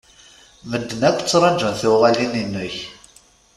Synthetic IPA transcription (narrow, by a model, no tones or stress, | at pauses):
məd̪ːənækʷːt͡sːɾˤɑd͡ʒənθʊʁælininːʊç